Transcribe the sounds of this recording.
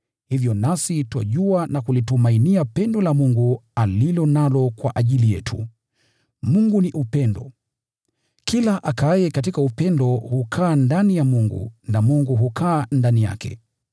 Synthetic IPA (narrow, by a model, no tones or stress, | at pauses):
hivjɔnasitwa̰ʄuanakulitumainiapɛndɔlamuŋɡualilɔnalɔkwa̰ʔaʄilijɛtʰṵ | muŋɡuniʔupɛndɔ̰ | kilaʔakajɛkat̬ikaupɛndɔhukʰaːndanijamuŋɡṵnamuŋɡuɦukʰaːndanija̰kʰɛ̰